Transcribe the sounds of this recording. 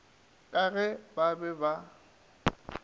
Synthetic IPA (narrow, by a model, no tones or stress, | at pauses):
kʼaɣɛbabɛba